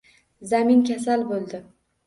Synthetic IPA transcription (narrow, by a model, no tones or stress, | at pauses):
zamɪnkʲʰas̬albolˠd̪ɪ